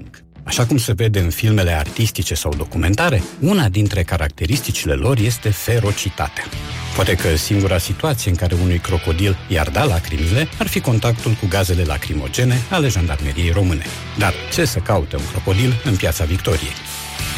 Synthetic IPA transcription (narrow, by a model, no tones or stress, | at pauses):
ŋk | aʃakumse̞ve̞d̪e̞ɨnfilme̞le̞art̪ist̪it͡ʃe̞sawd̪o̞kume̞nt̪aɾe̞unad̪int̪ɾe̞kaɾak̚t̪e̞ɾist̪it͡ʃile̞̰lʔo̞rje̞st̪e̞fe̞ɾo̞t͡ʃit̪a̰t̪eḁpoat̪e̞kəsiŋɡuɾasit̪uat̪sijeɨŋkaɾe̞unujkɾo̞ko̞d̪ilja̰rd̪alakɾimile̞arfiko̞nt̪akt̪ulkuɡaze̞le̞la̰kɾimo̞̰d͡ʒe̞ne̞ale̞ʒand̪arme̞ɾijejɾo̞mɨne̞̰ | d̪art͡ʃe̞səkaut̪e̞ṵŋkɾo̞ko̞d̪ilɨnpjat̪savikt̪o̞ɾije̞̰j